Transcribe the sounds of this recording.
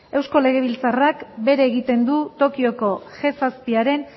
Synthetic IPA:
e̞wsko̞le̞ɣ̞e̞βilt͡sarakbe̞ɾe̞ːɣit̪e̞nd̪ut̪o̞kio̞ko̞ʝe̞saspiaɾe̞n

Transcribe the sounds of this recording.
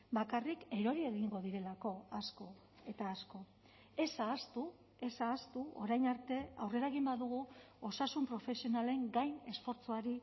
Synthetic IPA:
bakarike̞ɾo̞ɾie̞ɣiŋɡo̞ðiɾe̞lako̞asko̞ | e̞t̪aːsko̞ | e̞saːst̪u | e̞saːst̪uo̞ɾajnaɾt̪e̞awre̞ɾaeɣ̞imbaðuɣ̞uo̞sasumpɾo̞fe̞sio̞nale̞ŋɡajne̞sfo̞ɾt͡soaɾi

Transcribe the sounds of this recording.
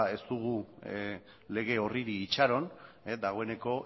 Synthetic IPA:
e̞st̪uɣ̞u | le̞ɣ̞e̞o̞riɾiːt͡ʃaɾo̞n | ed̪aɣ̞o̞e̞ne̞ko̞

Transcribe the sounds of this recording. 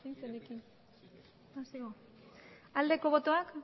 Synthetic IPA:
insenekin | asiɣo | ald̪e̞ko̞β̞o̞t̪o̞ak

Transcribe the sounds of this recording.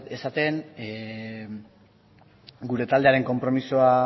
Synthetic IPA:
e̞sat̪e̞ne | ɡuɾe̞t̪ald̪e̞aɾe̞ŋko̞mpɾo̞misoa

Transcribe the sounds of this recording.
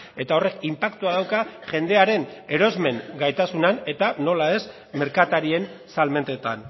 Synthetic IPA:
e̞t̪ao̞re̞kimpakt̪uaðawkaʝe̞nd̪e̞aɾe̞ne̞ɾo̞zme̞ŋɡajt̪asunane̞t̪ano̞lae̞s | me̞ɾkat̪aɾie̞n | salme̞nt̪e̞t̪an

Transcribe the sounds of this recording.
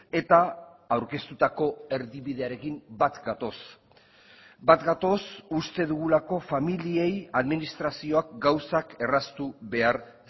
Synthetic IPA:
e̞t̪aː | wɾke̞st̪ut̪ako̞e̞ɾðiβið̞e̞aɾe̞kimbat̪ɡat̪o̞s | bat̪ɡat̪o̞sust̪e̞ðuɣulako̞familie̞jaðminist̪ɾasio̞akɡawsake̞rast̪uβe̞aɾ

